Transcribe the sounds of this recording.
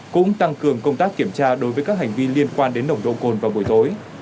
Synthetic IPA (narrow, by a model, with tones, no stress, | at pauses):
kʊ̰˧˥ŋ͡mt̪a˧ŋkɨ˨˩əŋkə˧wŋ͡mt̪aː˦˥k̚kːi˧˩əmt͡ɕaː˧ɗo˨˦jvəː˨˦jkaː˦˥k̚ha˨˩ŋ̟vi˧li˧ənkwaː˧nɗe˨˦nɗə˨˩wŋ͡mɗo̰˧˨ko˨˩nvaː˨˩wɓu˨˩əjt̪o˨˦j